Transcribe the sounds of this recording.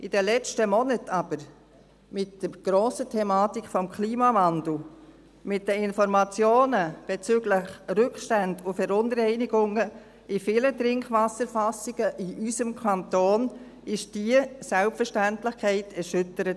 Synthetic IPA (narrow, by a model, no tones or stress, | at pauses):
ʔɪd̥ɛlɛt͡stəmɔnətʰɑb̥əɾ | mɪtd̥əɾɡ̥ɾoːsətʰɛmɑːtikfɔmkʰliːmɑmɑndl̩ | mɪt̚dəɪnfɔɾmɑt͡sjoːnəb̥ɛt͡syɡlɪχrʏkʃtandʊfɛɾʊnɾɛɪniɡʊŋə | ɪfiːlətɾɪŋkvʋɑsəɾfɑsiɡ̥əʔɪʔysəmkʰɑntoːn | ɪʃd̥iəsɛlpfəɾʃtæntlɪχkʰɛɪtʰɛɾʃʏtəɾət